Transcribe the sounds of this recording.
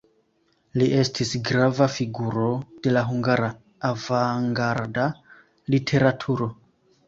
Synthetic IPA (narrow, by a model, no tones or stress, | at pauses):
liʔe̞stʰisɡɾavafiɡuɾo̞d̥e̞laɦuŋɡaɾaː | vaŋɡaɾda | litʰe̞ɾatʰuɾo̞